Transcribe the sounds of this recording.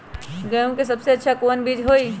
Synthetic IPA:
ɡɐjũkes̬ɐbseɐtːʃʰakoːnbiːd͡ʒɦoːi

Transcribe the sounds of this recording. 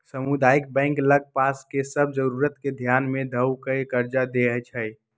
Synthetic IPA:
səmud̪aːɪk̚bɛ̃ɪŋkləɡ̚paːskesəb̚d͡ʒəɾuɾət̪ked̪ʱjaːnmẽd̪ʱəwkəekəɾd͡ʒad̪eɦət͡ʃʰɛ

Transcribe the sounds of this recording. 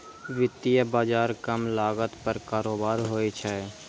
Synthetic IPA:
ʋɪt̪ijəbaːd͡ʒaːɾkəmlaːɡət̪pəɾkaːɾoːbaːɾɦoːit͡ʃʰɛː

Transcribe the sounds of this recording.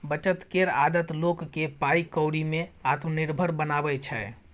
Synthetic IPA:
bət͡ʃət̪keɾa̰d̪ət̪lokːepaikəwɽimeat̪məniɾbʱəɾbənabɛt͡ʃʰɛ

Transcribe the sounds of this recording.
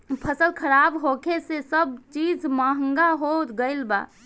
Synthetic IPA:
pʰəsəlkʰəɾabɦokʰesesəbt͡ʃid͡ʒmaɦəŋɡaɦot̪ɡəɪlba̰

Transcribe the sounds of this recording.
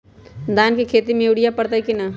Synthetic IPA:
d̪aːnkikʰeːt̪imẽeɽijapəɽt̪aikina

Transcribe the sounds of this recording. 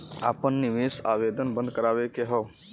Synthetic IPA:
a̰pənːiʋesabed̪ənbənd̪̚kəɾabekeɦɔ

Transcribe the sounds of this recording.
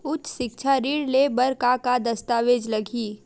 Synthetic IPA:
ʊt͡ʃʃɪkt͡ʃʰaɾiːɽlebɐɾkakad̪ɐst̪aːʋeːd͡ʒlɐɡʱiː

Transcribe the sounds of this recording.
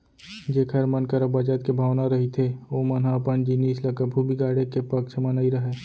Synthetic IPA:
d͡ʒeːkʰəɾmənkəɾəbaːd͡ʒaːt̪̚kebʱaːʋnaɾɐɦit̪ʰeoːmənɦapənd͡ʒiniːsləkəbʱubiɡaːɽekepɐkt͡ʃʰmənaːiɾɐɦeː

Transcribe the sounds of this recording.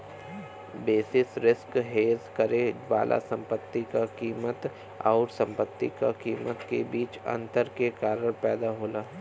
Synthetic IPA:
beːsɪsɾɪskɦeːzkəɾeʋa̰ːlʔa̰sə̃mpət̪ːikakiːmət̪ | ɔ̰ːɾsə̃mpət̪ːika̰kiːmət̪kebiːt͡ʃɐ̰̃nt̪əɾkekaːɾəɽpɛːd̪aɦoːlaː

